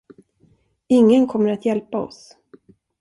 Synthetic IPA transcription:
ɪŋːənkʰɔmːəɾat̪jɛlpaɔ̰s

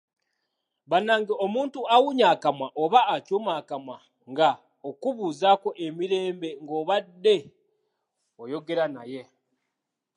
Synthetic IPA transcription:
βanaːŋɡeo̞muːntuawuɲaːkamaʔoβaːcuːmaːkama | ŋɡa | okuβuːzako̞ʔemiɾe̞ːmbe̞ŋɡo̞ːβadːe̞ | ojo̞ɡe̞ɾanaje̞

